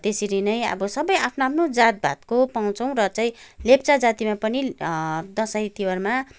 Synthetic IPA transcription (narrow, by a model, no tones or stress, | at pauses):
t̪esiɾinʌjʌ̰bʌsʌbʌjapʰnoapʰnod͡zat̪̚bʱa̰t̪̚kopaw̃t͡sʰʌ̃w̃rʌt͡saĩlept͡sad͡zat̪imapʌnid̪ʌsajt̪iwʌrma